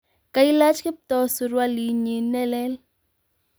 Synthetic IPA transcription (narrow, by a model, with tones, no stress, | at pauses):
ka˦i˦la˦t͡ʃkɪ˦p̚t̪ɔ˧˦su˧ɾwa˦li˨ɲi˨nːɛ˦lɛ˦l